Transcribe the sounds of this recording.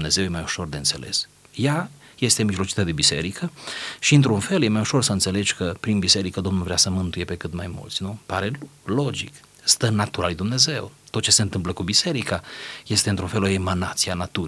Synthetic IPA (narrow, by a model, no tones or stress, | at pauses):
mne̞ze̞wjemajuʃo̞rd̪e̞ɨnse̞̰lʔe̞̰s | jaje̞st̪e̞miʒlo̞t͡ʃit̪ad̪ebise̞̰ɾikəʃiɨnt̪ɾunfe̞lje̞majuʃo̞rsəɨnt̪se̞le̞d͡ʒkəpɾinbise̞ɾikəd̪o̞mnulvɾeasəmɨnt̪uje̞pe̞kɨt̪majmṵlt̪sʲnupaɾe̞lo̞d͡ʒik | st̪ənat̪uɾalujd̪umne̞ze̞wt̪ot̪t͡ʃe̞se̞ɨnt̪ɨmp̬ləkubise̞ɾikaje̞st̪e̞ɨnt̪ɾunfe̞lo̞emanat̪sianat̪uɾ